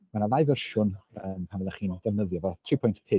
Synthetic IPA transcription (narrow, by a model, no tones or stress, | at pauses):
manalˠajvərʃʊnəmpʰanɛlˠaχiːndɛnəðjɔvɔtʰriːpʰɔjntʰpʰɪ